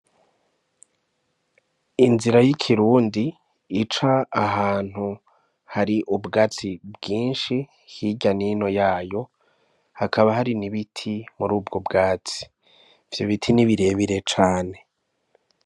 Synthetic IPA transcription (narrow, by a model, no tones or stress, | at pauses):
inziɾajikʰiɾuːndiː | t͡ʃaːɦaːn̥hu | haɾiʔubɡaːt͡sibɡiːnʃi | hiɟanino̞jaːjo̞ | hakʰaβaɦaɾiniβitʰimuɾuːbɡobɡaːt͡si̥ | vjoβitʰiniβiɾe̞βiɾe̞t͡ʃaːne̞